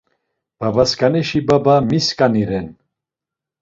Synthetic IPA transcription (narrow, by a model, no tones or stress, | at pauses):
b̥abaskʰʼanɛʃibabamiskʼaniɾɛn